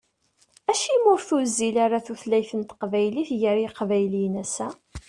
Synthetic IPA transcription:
æʃimʊɾθuzilaɾaθuθlæjθənt̪ə̥qvæjliθjəɾiqvæjlinæsæ

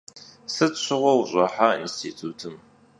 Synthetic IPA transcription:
sɨɕʷʰɪʁʷɔwɕʼɐħaḭnstʰitʰutʰɨm

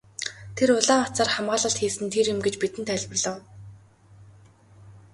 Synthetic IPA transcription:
t̪ʰeɾʊɮaːɔt͡saːrχamɢaːɮə̆ɬt̪xiːsɘ̆nt̪ʰeɾjʊmɡet͡ɕpit̪ɘ̆nt̪ʰæɮʲpɘ̆rɮə̆w

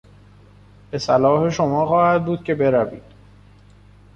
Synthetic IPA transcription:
b̥e̞sælɒːhe̞ʃo̞mɒːχɒːhæd̪̚buːd̪̥̚cʰe̞be̞ɾævḭːd̪̥

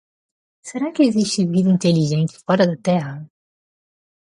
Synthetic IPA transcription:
seɾakɪeziʃt̪ɪvid̪ɐĩnt̪eliʒẽnt͡ʃ̪ɪ̥fɔɾɐd̪ɐt̪ɛʁɐ

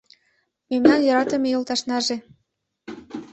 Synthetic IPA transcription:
memnɑnjɑɾɑt̪ə̆mejolt̪ɑʃnɑʒe

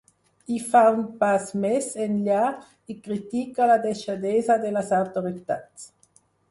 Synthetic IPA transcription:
ifaunpasmɛsenʎa | ikɾit̪ikalad̪eʃad̪ɛzad̪elazawt̪oɾit̪att͡s

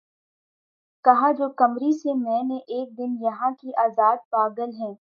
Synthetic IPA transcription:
kɐɦad͡ʒoːkɐmɾisemɛ̃ːneʔeːk̚d̪ɪnjɐɦãkiʔaːzaːd̪̚paːɡəlɦɛ̃ː

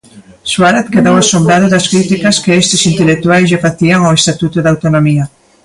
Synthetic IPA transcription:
swaɾat̪keðowasombɾaðoðɐskɾit̪ikaskeest̪esint̪elek̚t̪uajzʒafaθiaŋawest̪at̪ut̪uðawt̪onomia

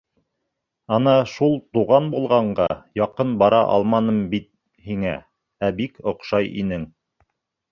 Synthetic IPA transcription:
ɑnɑʃulˠt̪uʁɑnbulˠʁɑɴɢɑjɑqɤnbɑɾɑʔɑ̰lˠmɑnɤmbit̪̚ | hiŋæ̰ | æbikŏqʃɑjʔḭnɘŋ

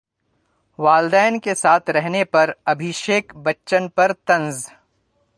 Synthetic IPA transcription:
ʋaːld̪aːjənkesaːt̪ʰɾɛɦnepɐɾɐbʱɪʃeːkbɐtːʃənpɐɾt̪ɐ̃nz

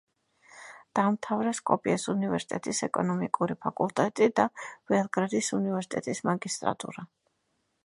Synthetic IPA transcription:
d̪̥amt̪ʰavɾɛskʼɔpʼiasunivɛɾsi̥t̪ʼɛt̪ʼisɛkʼɔnɔmikʼuɾipʰakʼulˠt̪ʼɛt̪ʼid̪av̥ɛlˠɡɾad̪isunivɛɾsi̥t̪ʼɛt̪ʼismaɡist̪ʼɾa̰t̪ʼṵɾa

